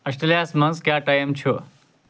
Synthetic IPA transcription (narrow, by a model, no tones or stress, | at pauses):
ɐsʈɾelijaːsmɐnskjaːʈajmt͡ʃʰo